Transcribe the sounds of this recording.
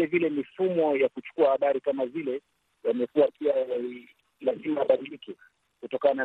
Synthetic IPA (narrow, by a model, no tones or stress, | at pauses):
lɛvilɛmifumɔjakut͡ʃu̥kuahaɓaɾikamazilɛ | jamɛkuwapiaai | lazimaɓaɗiliki | kutɔkaana